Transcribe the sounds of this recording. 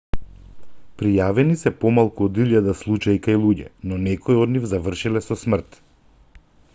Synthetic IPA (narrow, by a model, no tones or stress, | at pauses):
pɾijavɛnisɛpɔmalˠkuod̪iʎjad̪aslˠut͡ʃaikajlˠuɟɛ̰nɔnɛkɔiɔd̪nivzavr̩ʃilɛsɔsmr̩t̪